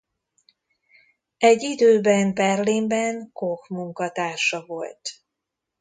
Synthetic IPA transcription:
ɛɟːid̪øːbɛnbɛrlimbɛŋkokmuŋkɒt̪aːʃɒvo̞lt̪

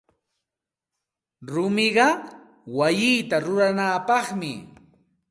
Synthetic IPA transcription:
ɾʊmɪɢɑ | wajɪːt̪aɾʊɾanaːpɑχmɪ̰

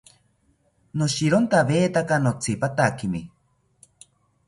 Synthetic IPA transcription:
noʃiɾont̪aβeːt̪akanot͡sʰipat̪akimi

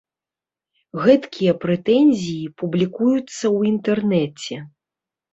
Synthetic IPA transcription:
ɣɛt̪kʲijɐpɾɛt̪ɛnʲzʲijipublʲikujut̪sːɐwint̪ɛrnɛt͡sʲɛ

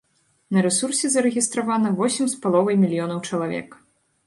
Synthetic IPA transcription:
nɐɾɛsursʲɛzɐɾɛɣʲist̪ɾavanɐvɔsʲimspalˠɔvɐjmʲilʲjɔnɐwt͡ʂɐlˠavʲɛ̰k

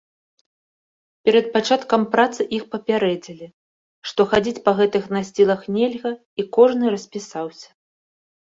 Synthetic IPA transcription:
pʲɛɾɐt̪̚pat͡ʂat̪kɐmpɾat̪sɨʔixpɐpʲaɾɛd͡zʲilʲi | ʂt̪ɔxad͡zʲit͡sʲpɐɣɛt̪ɨxnɐsʲt͡sʲilˠɐxnʲelʲɣɐ | ikɔʐnɨɾɐsʲpʲisawsʲɐ̥

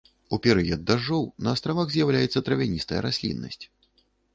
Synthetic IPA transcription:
upʲɛɾɨjɐd̪ːaʐɔwnɐːst̪ɾavaɣzʲjawlʲajɛt̪sːɐt̪ɾɐvʲanʲist̪ɐjɐ̰ɾasʲlʲḭnːɐ̰sʲt͡sʲ

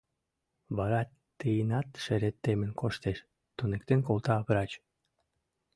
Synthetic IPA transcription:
βɑɾɑt̪ː | əjənɑt̪ʃeɾet̪ːemənkoʃt̪eʃ | t̪unekt̪enkolt̪ɑːβɾɑt͡ɕ

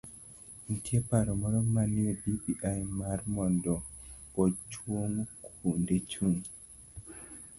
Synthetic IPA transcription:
n̩tjepaɾɔmɔɾɔmaniɔdibiʔajmaɾmɔndɔɔt͡ʃwoŋkʰundet͡ʃun

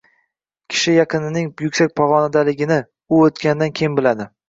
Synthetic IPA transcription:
kʲʰɪ̥ʃɪjɑqʰɨnɪnɪŋjʊkʲsak̚ʲpʰɒʁɒnad̪alɪɡʲɪnɪ | ʊot̪kʲand̪ankʲʰejɪnbɪlad̪ɪ

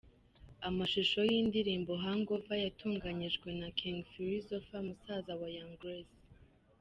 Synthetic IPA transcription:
amaʃiʃo̞jiːndiɾiːmbo̞ɦaŋɡo̞vajatʰuːŋɡaɲiʒɡwe̞nakʰiŋɡfiɾizofamusaːzawajaŋɡɾez

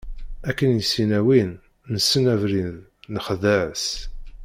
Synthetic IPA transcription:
ækːənjisinæwin | nəsːənævɾinð | nəχðæʕəs

